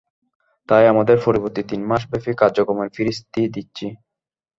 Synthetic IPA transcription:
t̪ajamad̪eɾpoɾiboɾt̪it̪inmaʃ̬befikaɾd͡ʑokɾomeɾfiɾist̪id̪it̪ːɕʰi

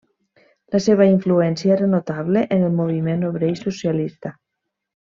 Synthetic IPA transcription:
laseβ̞aiɱfluɛnsjaeɾanot̪aβleʔenelˠmoβ̞imenoβɾejsosjalist̪a

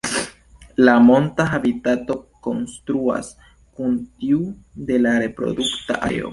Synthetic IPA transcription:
lamo̞ntaxabitato̞ko̞nstɾua̰s | kuntiu | de̞laɾe̞pɾo̞̰dukta̰ʔa̰eo̰

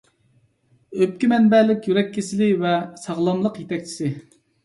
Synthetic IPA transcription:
øp̚kʲimɛnbɛlɪkʲjyɾɛkʲʰːisɪlɪvɛsɑʁlˠɑmlˠəqjet̪ʰɛk̚ʲt͡ʃʰi̥sɪ

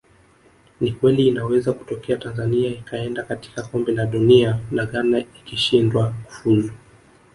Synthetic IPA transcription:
nikwɛliːnawɛzaku̥tɔkɛatanzaniaikʰaɛndakati̥kakɔmbɛlaɗunianaɠanaikiʃindwaku̥fuzu

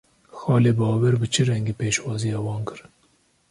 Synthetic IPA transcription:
xɑːleːbɑːwɛɾbɨt͡ʃʰɨɾɛŋɡeːpeːʃwɑːzijɑːwɑːnkɨɾ

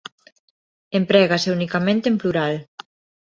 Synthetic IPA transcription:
empɾɛɣaseunikamẽnt̪empluɾal

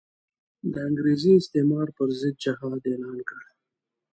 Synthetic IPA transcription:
d̪əaŋɡɾeziɪst̪emɑɾpəɾzɪd̪̚d͡ʒɪɦɑd̪elɑːnkəɽ

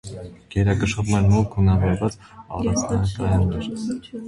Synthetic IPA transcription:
ɡ̥ɛɾɑkəʃɔvmɛnmulkʰunɑvɔɾvɑt͡s | ɑ̰rɑnt͡sʰnɑkɑjɑnːɛɾ

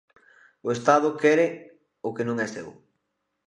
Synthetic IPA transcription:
ʊest̪að̞ʊkɛɾɪ | ʊkenõŋɛsew

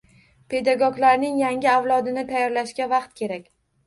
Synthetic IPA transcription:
pʰe̞d̪aɡɒɡlaɾnɪŋjaŋɡʲɪawlˠɒd̪ɪnɪt̪ʰajːɒɾlaʃkʲavɑqt̪kʲʰe̞ɾakʲ

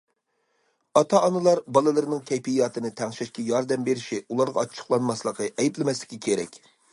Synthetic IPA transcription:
ɑt̪ʰɑːnɨlˠɑɾbɑlˠɨlˠɨɾɨnɨŋkʲʰɛjpijɑːt̪ʰɨnɨt̪ʰɛŋʃɛʃkʲɛjɑɾd̪ɛmbeɾɪʃiulˠɑɾʁɑːt͡ʃʰːə̥χlˠɑnmɑslˠəqəʔɛjiblɪmɛslɪ̥kʲːikʲʰeɾɛ̰kʲ

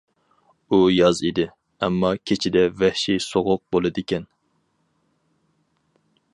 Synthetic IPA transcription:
ujɑzid̪ɪ | ɛmːɑkʲʰet͡ʃʰid̪ɛvɛhʃisoʁʊq̚bolˠɨd̪ɪkʲɛn

